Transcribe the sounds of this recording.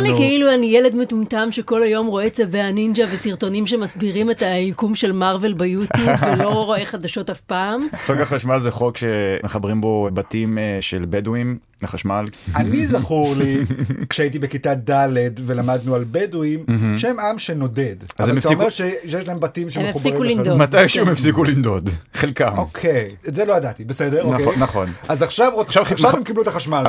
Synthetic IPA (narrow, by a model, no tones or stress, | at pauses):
likeiluanijele̞dmetumtamʃeko̞lajo̞mʁo̞et͡sebeanind͡ʒavesiʁto̞nimʃ̬e̞masbiʁimetajikumʃe̞lmaʁve̞lbajutivelo̞ʁo̞eχadaʃo̞tafpaːmχokaχaʃmalzeχo̞kʃemeχabʁimbo̞batimʃelbeduim | leχaʃmalanizaχuʁlikʃeait̪̬ibekitad̪aledve̞lamad̪nualbeduim̩ɦʃemamʃeno̞dedʔazveameftaoimeʁʃejeʃlaɦembatimʃemeχubaʁiimat̪ajʃemefsikulind̪od̪χelkamokʰejetzelo̞adat̪ibesedeʁokenaχonazaχʃavoʃavaʃavat̪emkibluet̪aχaʃmal